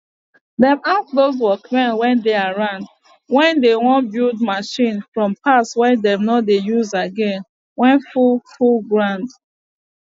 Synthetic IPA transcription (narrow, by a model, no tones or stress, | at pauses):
dɛ̃masðoz̬wɔkmɛ̃nwɛ̃ndeaɹãnd | wɛ̃ndewɔ̃nbildmaʃĩnfɹɔ̃mpʰaswɛ̃dɛ̃mnɔdejuzaɡɛ̃n | wɛ̃nfulfulɡɹãnd